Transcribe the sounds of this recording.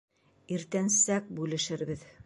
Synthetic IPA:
iɾt̪ænsæk̚bʉlɘ̆ʃɘɾbɘð

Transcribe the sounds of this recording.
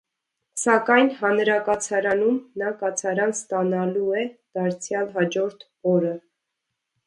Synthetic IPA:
sɑkɑjnɦɑnɾɑkɑt͡sʰɑɾɑnumnɑkɑt͡sʰɑɾɑnst̪ɑnɑluɛd̪̥ɑɾt͡sʰjɑlɦɑd͡ʒɔɾt̪ʰ | ɔɾə

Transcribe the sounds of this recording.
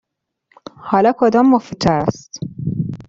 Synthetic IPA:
hɒːlɒːkʰod̪ɒːmːofit̪ʰæst̪

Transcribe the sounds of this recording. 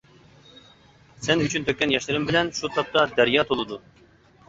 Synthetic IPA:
sɛnyt͡ʃʰynt̪ʰøkʲːɛnjɛʃlɨɾɪmbɪlɛnʃut̪ʰɑp̚t̪ɑd̪æɾjɑːt̪ʰolˠɨd̪u

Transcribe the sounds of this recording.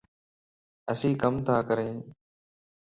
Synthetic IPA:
əsĩːkəmt̪ʰaːkəɾẽː

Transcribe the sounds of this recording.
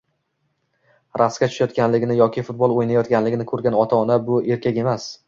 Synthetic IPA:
ɾʔaskʲat͡ʃʰʊ̥ʃajɒt̪kʲanlɪɡʲɪnɪjɒkʲʰɪfʊt̪̚bɒlˠojnajɒt̪kʲanlɪɡʲɪnɪkʰɵɾɡʲanɒt̪ʰaɒnabʊe̞ɾkʲʰakʲe̞mas

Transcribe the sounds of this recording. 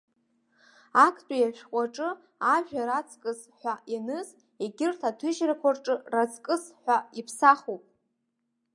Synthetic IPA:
akʰtʼajaʃᶣkʷʼaʈ͡ʂʼɨ | aʒᶣaɾat͡sʰʼkʼɨs | ħʷaʔinɨz | eɡʲɪrtʰatʰɨʒrakʷʰarʈ͡ʂʼɨrat͡sʰʼkʼɨsħʷᶣaipʰsaχopʼ

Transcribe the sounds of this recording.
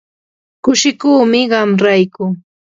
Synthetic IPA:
kʊʃɪkuːmɪɢɑmɾajkʊ

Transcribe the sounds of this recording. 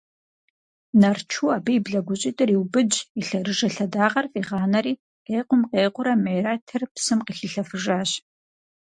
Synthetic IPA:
nɐrt͡ʃʰuːaːbijːbɮɐɡʷʊɕʼɪtʼɨriwbɨd͡ʒiɬɐrɨʒɐɬɐdaːʁɐrfʼiːʁɑːnɐɾiː | qeːqʷʊmqeːqʷʊɾɐmejraːtʰɨrpsɨmqiːxiɬɐfɨʒaːɕ

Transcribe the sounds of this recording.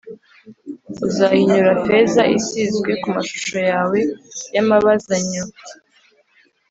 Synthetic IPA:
uzahiɲuɾafe̞zaʔisizɡwe̞kumaʃu̥ʃo̞jaːwe̞jamaβazaɲo

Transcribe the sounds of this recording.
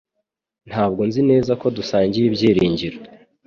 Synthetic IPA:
n̥haːb̚ɡo̞nzine̞ːzako̞dusaːɲɟijibɟiːɾiːɲɟiɾe

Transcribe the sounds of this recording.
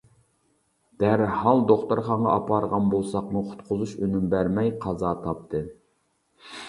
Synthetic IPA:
d̪̥æɾhɑlˠd̪oχt̪uɾχɑɴʁɑ̰ʔɑpɑɾʁɑnbolˠsɑqmuqʰʊ̥t̪qʰʊzuʃønymbæɾmɛjqʰɑzɑːt̪ʰɑp̚t̪ʰɨ

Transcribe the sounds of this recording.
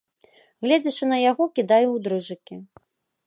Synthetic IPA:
ɣlʲed͡zʲɐʂɨnɐjaɣɔkʲid̪ajuwd̪ɾɨʐɨkʲi

